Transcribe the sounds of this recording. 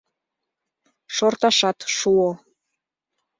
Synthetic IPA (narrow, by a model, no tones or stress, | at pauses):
ʃort̪ɑʃɑt̪ʃuo